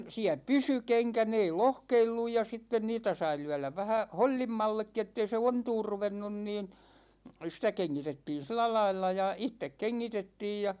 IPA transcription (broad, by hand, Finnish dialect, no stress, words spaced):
siæ pysy keŋkæ ne ei lohkeilːuj jɑ sitːen niːtæ sɑi lyælæʋ ʋæhæ holʲːimːɑlːekːi etːei se ontuːr ruʋenːun niːn sitæ keŋːitetːiːn̞ silæ lɑilːɑ jɑ itːek keŋːitetːiːj jɑ